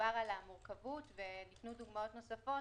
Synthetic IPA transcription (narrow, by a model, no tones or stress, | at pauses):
aʁalamuʁkavutve̞nitnuduɡmao̞tno̞safo̞